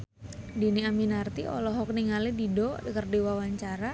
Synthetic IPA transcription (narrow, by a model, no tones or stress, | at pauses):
diniaminart̪iɔ̰lɔɦɔk̚niŋalɪdidɔdikərdiwawaɲt͡ʃaɾa